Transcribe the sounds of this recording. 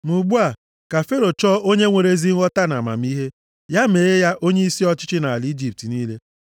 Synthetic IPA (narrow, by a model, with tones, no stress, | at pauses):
mu˨ɡ͡bu˦a˨ | ka˨fe˦ɾo˨t͡ʃɔ˦o˦ɲe˦ŋʷe˨ɾe˦zi˦ŋɔ˦ta˦na˨ma̰˨m˦i˦ɦe˦ | ja˦me˨ɣe˦ja˦ʔo˦ɲe˦i˦si˦ɔ˦t͡ʃɪ˦t͡ʃɪ˦na˨a˨li˦d͡ʒi˦˨p̚ti˨niː˦le˦